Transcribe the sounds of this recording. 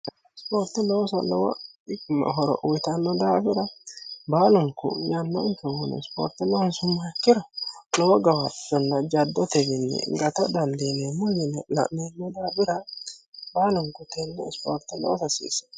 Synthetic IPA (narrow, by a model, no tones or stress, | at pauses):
spoːɾt̪ɪlɔwsɐlɔwɐ̰ɪkmɐ̰ɦɔɾɔ̰ʔwɪt̪ɐnːɔd̪aːbɪɾɐbaːlʊŋkʊ̰jɐnːɐ̰ŋkɛwʊnɛ̰spo̰ːɾt̪ɪlɔwɐnsʊmːakːɪɾɐlɔwɔɡɐwɐtːɔnːɐd͡ʒɐd̪ːɔt̪ɛɡɪnːɛ̰ɡɐt̪ɐd̪ɐnd̪enemːɔjɛnlɐ̰ʔnemːɔd̪aːbɪɾɐ | baːlʊŋkʊt̪enːɛspo̰ːɾt̪ɪlɔ̰wsɐsḭːsɐ̥